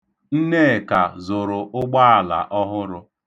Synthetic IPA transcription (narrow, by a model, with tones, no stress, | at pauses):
n̩˦ne˦˨ka˨zʊ˨ɾʊ˨ʔʊ˦ɡ͡ba˦a˨la̰˨ʔɔ˦ɦʊ˦ɾʊ˦